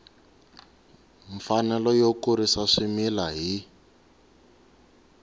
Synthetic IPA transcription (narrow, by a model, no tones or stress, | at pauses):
ɱfanɛlɔjokuɾisaʂimilaɦi